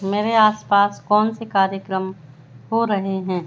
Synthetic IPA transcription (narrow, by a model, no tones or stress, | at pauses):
meːɾeaːspaːskɔːnsekaːɾjəkɾəm | ɦoɾɐɦeɦɛ̃ː